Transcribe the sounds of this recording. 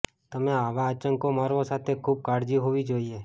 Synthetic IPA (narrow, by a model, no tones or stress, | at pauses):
t̪əmẽaːʋaət͡ʃəŋkomaːɾʋosaːt̪ʰekʰuːb̚kaːɾd͡ʒiɦoːʋid͡ʒaːie